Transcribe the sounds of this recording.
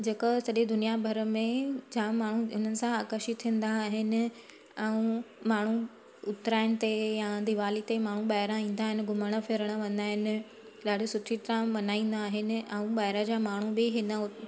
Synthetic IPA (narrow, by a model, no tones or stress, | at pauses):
d͡ʑeːkəsɐɗed̪ʊnijabʱɐɾəmẽd͡ʑaːmaːɳ̤uʊn̤ənɪ̆sãaːkəʃit̪ʰĩə̃n̆d̪aɦɪnɪ̆ | ɛũ | maːɳ̤u | ʊt̪ɾaːɪñɪ̆t̪ejãd̪iʋaːlit̪emaːɳ̤uɓaːɦɪɾãĩːn̆d̪aːɦɪnɪ̆ɡʊməɽ̃əfʰɪːɾəɽ̃əʋɐ̃nd̪aːɦɪnɪ̆ | laːɽ̤isʊʈʰit̪ɾãʋɐnaːĩːn̆d̪aːɦɪnɪ̆ɛũɓaːɪɾad͡ʑaːmaːɳ̤ubɪɦɪnə